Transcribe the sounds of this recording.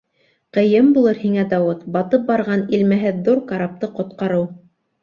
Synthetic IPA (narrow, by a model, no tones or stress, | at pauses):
qɤ̆jɤmbulˠɤɾhiŋæd̪ɑwɤt̪bɑt̪ɤp̚bɑɾʁɑnilmæɦɘðːuɾkɑɾɑp̚t̪ɤqŏt̪̚qɑɾɤw